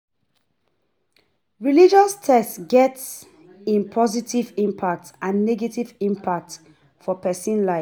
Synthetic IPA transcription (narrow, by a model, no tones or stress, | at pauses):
ɹilid͡ʒɔstʰɛstɡɛts | ĩnpʰɔzitivĩmpʰak̚tãnːɛɡetivĩmpʰak̚t | fɔpʰɛsĩnlaɪ